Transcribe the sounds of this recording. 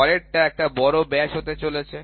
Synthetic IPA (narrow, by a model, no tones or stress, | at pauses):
ɔɾeʈ̚ʈaɛk̚ʈabɔɾobɛʃɦot̪et͡ɕolet͡ɕʰe